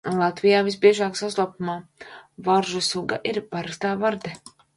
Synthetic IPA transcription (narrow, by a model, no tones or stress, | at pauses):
lˠat̪vijaːvisbiɛʒaːksaslˠapumaːvaɾʒusuɡa̰ʔiɾpaɾakst̪aːvaɾd̪ɛ